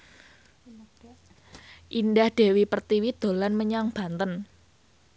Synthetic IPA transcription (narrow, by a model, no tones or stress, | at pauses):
ʔindahd̥e̤wipərt̪iwid̪̥o̤lanməɲaŋb̥a̤nt̪ən